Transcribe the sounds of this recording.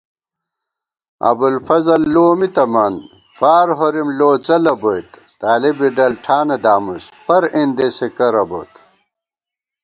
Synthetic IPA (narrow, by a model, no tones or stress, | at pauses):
ɐ̰bulfɐzɐlːoːmit̪ɐmɐn | faːɾɦoɾimloːt͡sɐlɐbojt̪ | t̪aːlibiɖɐlʈʰaːnɐd̪aːmuspɐɾind̪esekɐɾɐbo̰t̪